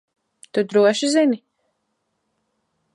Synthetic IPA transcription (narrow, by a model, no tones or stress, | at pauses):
t̪ud̪ɾuɔʃizini